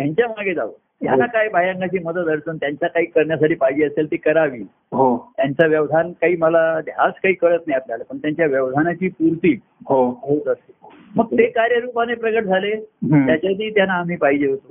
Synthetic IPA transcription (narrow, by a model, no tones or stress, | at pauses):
t̪jaɲt͡ɕjamaɡed͡zaʋə̰ | t̪janːakajbʱajãŋkat͡ɕiːməd̪ət̪əɾsənt̪jaɲt͡ɕjakaɦiːkəɾɳjas̬aʈʰiːpaɦid͡ʑeːəselt̪ekəɾaʋiː | ɦot̪jaɲt͡saʋjəʋd̪ʱankaɦiːməlad̪ʱjaskaɦiːkəɭət̪najapljalapəɳt̪jaɲt͡ɕjaʋjəʋd̪ʱanat͡ɕiːpuɾt̪iː | ɦoɦot̪əse | məɡ̚t̪ekaɾjəɾupanepɾəɡəʈ̚d͡zʱalejat͡ɕjat̪iːt̪janːaːm̤iːpaɦid͡ʑeət̪ə